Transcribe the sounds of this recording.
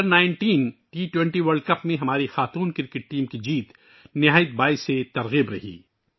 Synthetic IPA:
əɾnaːɪ̃ɳʈiːnʈiːʈwɛ̃ɳʈiʋɐɾɖ̚kɐpmẽɦɐmaːɾixaːt̪uːnkɪɾkɪʈ̚ʈiːmkid͡ʒiːt̪ | nɪɦaːjət̪̚baːiset̪ɐɾɣiːbɾɐɦḭː

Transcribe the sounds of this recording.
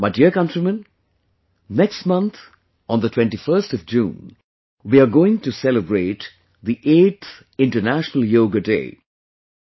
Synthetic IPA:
maɪdiəkʌ̃ntɾimə̃n | nɛkstmʌ̃nt̪ʰ | ɔ̃nd̪ətʰw̥ɛ̃nʈifəɾstɔvd͡ʒũːn | wiaɡoːɪ̃ŋʈusɛləbɾeːʈ | ðiʔeːt̪θ | ɪ̃ɳʈənæʃnəl̩joːɡədḛː

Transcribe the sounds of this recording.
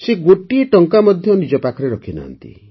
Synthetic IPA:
seɡoʈieʈɔŋkamɔd̪ʱjɔnid͡ʒɔpakʰɔɾeɾɔkʰina̰ɦːnt̪ḭ

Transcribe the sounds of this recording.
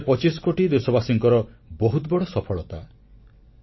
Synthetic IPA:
pɔt͡ʃiskoʈid̪esɔbasiŋkɔɾɔbɔɦut̪bɔɽɔsɔpʰɔɭɔt̪a

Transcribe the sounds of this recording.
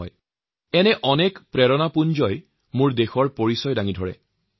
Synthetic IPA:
j | ɛnɛʔɔnɛkpɹɛɹɔnapund͡ʒɔj | mʊɹdexɔɹpoɹisɔjdaŋidʱɔɹɛ̰

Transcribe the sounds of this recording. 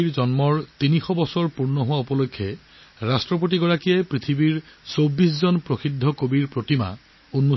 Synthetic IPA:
iɹzɔnmɔɹtinixɔbɔsɔɹpuɹnɔɦʊwaupɔlokʰːɛ | ɹastɹɔp̬ot̬iɡɔɹakijɛpɹit̪ʰibiɹsobis̬zɔnpɹoxidʱːɔkobiɹpɹotima̰ | unːo

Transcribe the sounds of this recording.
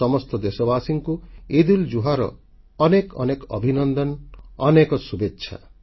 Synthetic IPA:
ɔmɔst̪ɔd̪esɔbasiŋkued̪uld͡ʒuɦaɾɔ̰ | ɔnekɔ̰nekɔ̰bʱinɔnd̪ɔnɔnekɔsubetːʃʰa̰

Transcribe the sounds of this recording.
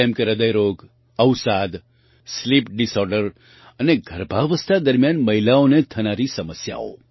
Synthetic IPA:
emkeɾəd̪əjɾoːɡ | əwsad̪ | slip̚ɖɪsɔɾɖəɾ | əneɡʱəɾbʱaʋəst̪ʰad̪əɾmjaːnməɦɪlaõnet̪ʰɐnaɾisəməsja̰o̰

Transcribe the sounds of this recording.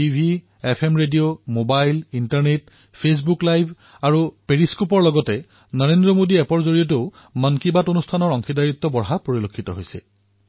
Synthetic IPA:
ibʱi | ɛpʰemɹedijomobajlintaɹnet̚ | pʰes̬buklajbʱ | aɹupeɹiskupɔɹlɔɡɔtɛ | nɔɹendɹɔmodiɛpɔɹzoɹijɔt̬o | mankibatonustʰanɔɹɔŋkʰidaɹit̪ːɔbɔɹɦapoɹilokʰːitɔɦojsɛ̰

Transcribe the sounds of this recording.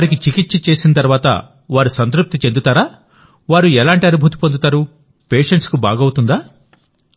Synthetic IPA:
ɾikit͡ʃikit̪ːt͡ʃit͡ʃe̞ːsinɐt̪̬ɐɾuʋaːt̪ɐ̰ | ʋaːɾusɐnt̪̬ɾup̚t̪it͡ʃe̞nd̪ut̪aːɾaː | ʋaːɾuɛlaːɳʈiɐnubʱut̪̬i̥pond̪ut̪aːɾu | peːʂeɳʈskubaːɡɐwut̪und̪aː

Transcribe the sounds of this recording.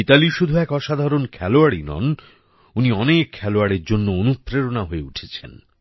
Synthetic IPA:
italiʃud̪ʱuɛkɔʃad̪ʱaɾonkʰɛloaɾinɔ̰n | uniɔnekʰːɛloaɾeɾd͡ʑonːoonut̪ːɾeɾonaɦoeuʈʰet͡ɕʰḛn

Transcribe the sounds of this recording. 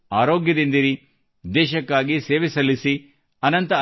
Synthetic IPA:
aːɾo̞ːɡjɐd̪ind̪iɾi | d̪ɛːʃɐkːaːɡiseːʋisɐlːisi | ɐnɐnt̪ɐ

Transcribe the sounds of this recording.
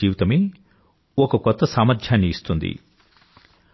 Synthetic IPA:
iːʋt̪ɐme | ɔkɐkɔt̪ːɐsaːmɐɾd̪ʰʱjaːnːiːst̪und̪ḭ

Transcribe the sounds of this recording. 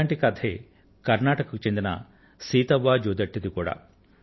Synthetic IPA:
aɳʈikɐd̪ʰʱe | kɐɾnaːʈɐkɐkut͡ʃend̪ɐnɐ̰ | siːt̪ɐʋːaːd͡ʒoːd̪ɐʈːid̪ukuːɽɐ̰

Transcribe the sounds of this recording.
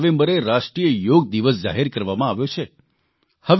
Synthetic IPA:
ʋẽmbəɾeɾaʃʈɾijəjoɡ̚d̪iʋəsd͡ʒa̰ɦiɾkəɾʋamãaʋjot͡ʃʰe | həʋ

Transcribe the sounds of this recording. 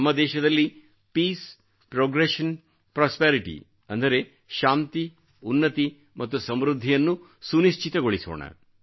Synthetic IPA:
mːɐd̪ɛːʃɐd̪ɐlːi | piːs | pɾoːɡɾeʃɐn | pɾaːspeːɾiʈḭ | ɐnd̪ɐɾe | ʃaːnt̪i | unːɐt̪i | mʔɐt̪ːusɐmɾud̪ʱːijɐnːu | suniʃt͡ʃit̪ɐɡo̞ɭiso̰ːɳɐ̰

